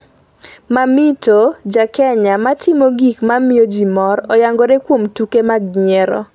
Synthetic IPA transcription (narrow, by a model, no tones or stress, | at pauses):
mamitod͡ʒakɛɲamatɪmoɡikmamɪjod͡ʒimɔɾɔjaŋɡoɾekwomtukemaɡɲɛɾɔ̰